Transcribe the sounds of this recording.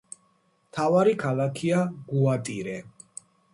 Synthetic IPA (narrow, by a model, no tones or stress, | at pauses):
mt̪ʰavaɾikʰalakʰiaɡuat̪ʼiɾɛ